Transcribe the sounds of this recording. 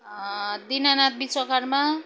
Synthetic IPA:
d̪inanat̪̚bisʌkaɾma

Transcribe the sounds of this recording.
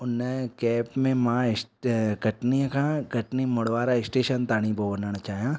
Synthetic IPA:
ʊnːəkɛːpmẽmãːɪsɡɐʈnĩkãɡɐʈnimʊɽʋaːɾaɪsʈeːʃənt̪aːɽ̃ibobɐnənt͡ʃaːjãː

